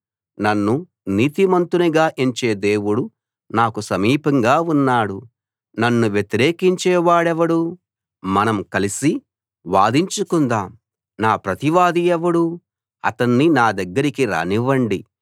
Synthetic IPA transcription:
nɐnːu | niːt̪imɐnt̪uniɡaːʔeɲt͡ʃeːd̪e̞ːwuɽu | naːkusɐmiːpɐŋɡaːunːaːɽu | nɐnːuʋjet̪iɾeːkiɲt͡ʃɛːʋaːɽɛʋɐɽu | mɐnɐmkɐlisi | ʋaːd̪iɲt͡ʃukund̪aːm | naːpɾɐt̪iʋaːd̪ijɛʋɐɽu | ɐ̰t̪ɐnːinaːd̪ɐɡːɐɾikiɾa̰ːniʋɐɳɖi

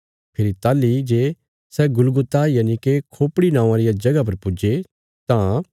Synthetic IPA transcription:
pʰeːɾit̪aːlːid͡ʒeː | sɛɡʊlɡʊt̪ajaːnikekʰoːpɽinãːãɾɪjad͡ʒɐɡap̬ɐɾpʊd͡ʒe | t̪ã

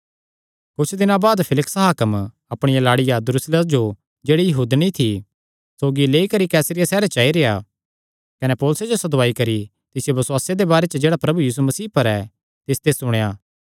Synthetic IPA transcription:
kʊt͡ʃʰd̪ɪnabaːd̪pʰɪlɪksɦaːkəm | ɐpɽ̃ɪjalaːɽɪjad̪ɐɾusləsd͡ʒo | d͡ʒeːɽijɐɦuːd̪init̪ʰi | soːɡileːikɐɾikɛːsɾɪjasɛːɾet͡ʃaːiɾea̰ | kɐnɛpɔːlʊsed͡ʒosɐd̪waːikɐɾi | t̪ɪsɪjebɐswaːsjad̪ebaːɾet͡ʃəd͡ʒeːɽapɾɐbujiːs̬umɐsiːpɐɾɛ | t̪ɪst̪esʊɽ̃ejaː

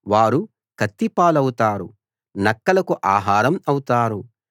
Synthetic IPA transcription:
ʋaːɾu | kɐt̪ːipaːlɐwut̪aːɾṵ | nɐkːɐlɐkuʔaːɦaːɾɐmɐwut̪aːɾu

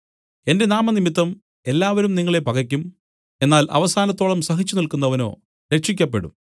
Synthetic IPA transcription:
e̞nde̞naːmɐnimit̪ːɐm | e̞lːaːʋɐɾumniŋːɐɭe̞pɐɣɐkʲːum | e̞nːaːlʔɐ̰ʋɐsaːnɐt̪ːo̞ːɭɐmsɐɦit͡ɕːunilkunːɐʋɐno̞̰ː | ɾe̞kʂikʲːɐp̬ːeɽṵm

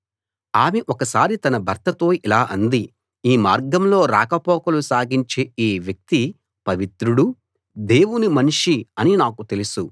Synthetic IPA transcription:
aːmeʔɔkɐsaːɾit̪ɐnɐbʱɐɾt̪ɐt̪o̞ːilaːʔɐnd̪i | iːmaːɾɡɐmlo̞ːɾaːkɐpɔːkɐlusaːɡiɲt͡ʃe̞ːiːʋjɐk̚t̪i | pɐʋit̪ɾuɽu | d̪e̞ːwunimɐniʂiɐninaːkut̪e̞lusu

